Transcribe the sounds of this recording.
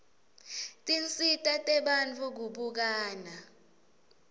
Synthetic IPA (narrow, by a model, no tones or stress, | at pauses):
tʼint͡sʼitʼatʼɛɓant͡fʰʼuk̬uɓuk̬aːna